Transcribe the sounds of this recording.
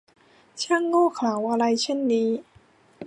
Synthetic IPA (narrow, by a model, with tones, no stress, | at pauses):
t͡ɕʰa˥˩˨ŋːɔː˥˩kʰaː˩˦wʔa˧ɾa˧jt͡ɕʰe˥˩nːiː˦˥